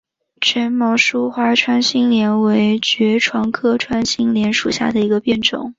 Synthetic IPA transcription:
ʈ͡ʂʰə˧˥nmɑ˧˥ʊʂu˥xwa˧˥ʈ͡ʂʰwa˥nɕi˥ŋljɛ˧˥nwe˧˥ɪt͡ɕɥɛ˧˥ʈ͡ʂʰwɑ˧˥ŋkʰɤ˥ʈ͡ʂʰwa˥nɕi˥ŋljɛ˧˥nʂu˨˩ɕja̰˥˩d̪ə˩i˧˥ɡə˧pjɛ˥˩nʈ͡ʂʊ̰˨˩˦ŋ

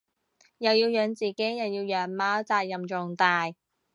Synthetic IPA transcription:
jɐ˨wjiː˧wjœː˨˧ŋt͡siː˨˩ke˨˥jɐ˨˩wjiː˧wjœː˨˥ŋmaː˨˥wt͡saː˧jjɐ˨˩mt͡ʃʊ˨˩ŋt̪aː˨j

